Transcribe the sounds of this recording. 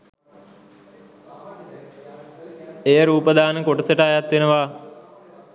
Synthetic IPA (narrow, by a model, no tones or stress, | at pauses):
ejəɾuːpəd̪ʱaːnəkoʈəsəʈaːjat̪ʋenəʋa